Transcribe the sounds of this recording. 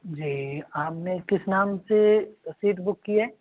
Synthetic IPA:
d͡ʒiːaːpnekɪsnaːmsesiːʈbʊkːijaɦɛː

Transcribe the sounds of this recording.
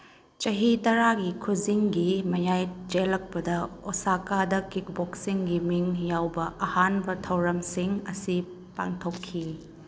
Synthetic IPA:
t͡ʃɐɦitɐɾaɡikʰuziŋɡimɐjajd͡ʒelɐk̚pɐdɐosakadɐkik̚boksiŋɡimiŋjawbɐʔɐhanbɐtʰɐwɾɐmsiŋɐsi | pa̰ŋtʰokʰːi

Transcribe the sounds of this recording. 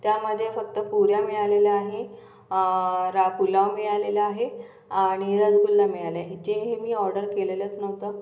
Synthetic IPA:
t̪jaməd̪ʱːjefək̚t̪əpuɾjamiɭaleljaaɦe | ɾapulaʋmiɭaleləaɦe | aɽ̃iɾəd͡zɡulːamiɭaleaɦed͡ʑeɦemiːɔɾɖəɾkelelət͡snəʋt̪ə

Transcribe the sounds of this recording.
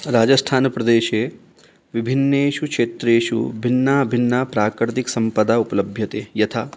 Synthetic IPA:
ɾaːd͡ʒɐsʈʰaːnɐpɾɐd̪eːʃeː | ʋibʱinːeːʃukʂeːt̪ɾeːʃṵbʱinːɐɐbʱinːɐpɾaːkɾt̪iksɐmpɐd̪aupɐlɐbʱjɐt̪eːjɐt̪ʰa

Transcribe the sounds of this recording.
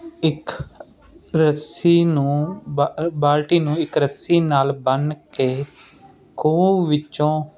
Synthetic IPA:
ɪk | ɾəsiːnũː | baːlʈiːnũːɪkɾəsiːnaːlbənkeː | kʰũːʋɪt͡ʃõː

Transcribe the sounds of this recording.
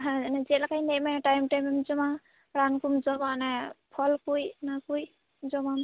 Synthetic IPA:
ɦãnɛzilakʰajnemɛʈajmʈajmɛmd͡ʒɔma | ɾankumzɔmanɛpʰɔlkujnakuj | d͡ʒɔmam

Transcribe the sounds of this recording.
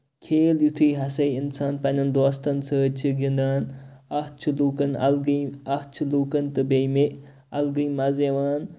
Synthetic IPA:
kʰeːljut̪ʰiːɦɐsɐjinsaːnpɐnʲɐnd̪oːst̪ɐnsəːt͡ʃʰiɡind̪aːnɐht͡ʃʰuluːkɐnɐlɡiɐht͡ʃʰulukɐnt̪ɨbejmeʔ | ɐlɡɨjmɐzeʋaːn

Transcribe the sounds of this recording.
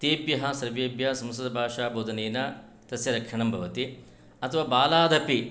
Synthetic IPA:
t̪eːpjɐɦɐ̆sɐɾʋeːbjɐsɐmsɐd̪ɐbʱaːʂaːbʱoːd̪ʱɐneːnɐ | t̪ɐsjɐɾɐkʂɐɳɐmbʱɐ̰ʋɐt̪i | ɐt̪ʰɐʋaːbaːlaːd̪ɐpi

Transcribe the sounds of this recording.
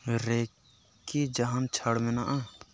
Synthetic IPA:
ɾe | kːid͡ʒəɦant͡ʃʰəɽmenaʔa

